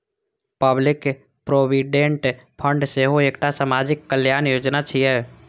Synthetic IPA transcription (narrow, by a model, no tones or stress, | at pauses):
pəblɪk | pɾoːwiɖẽɳʈpʰə̃ɳɖseɦoeːkʈasaːmaːd͡ʒɪkːəljaːnjoːd͡ʒnat͡ʃʰiɦɛ